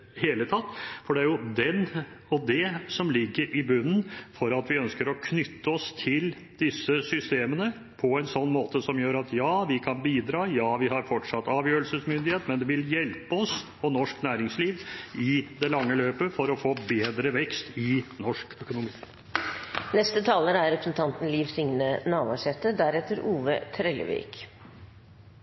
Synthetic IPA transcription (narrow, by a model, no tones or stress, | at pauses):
heːlət̪ʰɑt̪ːfɔɖɛæɾjʊd̪ɛn | ɔd̪ɛsɔmlɪɡːəɾʔɪbʉnːn̩fɔɾɑt̪ʋɪœnskəɾɔkʰnʏt̪ːəɔst̪ʰɪl | d̪̥ɪsːəsʏst̪eːmənə | pʰɔɛnsɔnːmoːt̪əsɔmjøːɾɑt̪jɑːʋɪkʰɑnbiːd̪ɾɑːjɑːʋɪɦɑɾfɔʈʂɑt̪ːɑːʋjøːɾəlsəsmʏnd̪ɪheːt̪mɛnd̪ɛʋɪljɛlpəɔsʰ | ɔnɔʂknæːɾɪŋsliːʋɪd̪ɛlɑŋːəløːpəfɔɾɔfoːbeːd̪ɾəʋɛkst̪ɪnɔʂkœkʊnʊmiː | nɛst̪ət̪ʰɑːləɾæɾɾɛpɾəsnt̪ʰɑnt̪n̩liːʋsɪŋnənɑːʋɑʂɛt̪ːəd̪æɾɛt̪ːəɾuːʋə̰t̪ʰɾɛlə̰ʋḭːk